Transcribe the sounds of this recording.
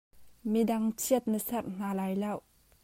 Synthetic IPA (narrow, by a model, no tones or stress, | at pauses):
midɐŋt͡sʰiət̪̚nəsɐrʔn̥aːlajlɐw